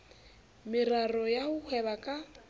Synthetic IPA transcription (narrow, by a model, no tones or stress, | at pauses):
mɪrarɔjahʊhʰwɛβakʼa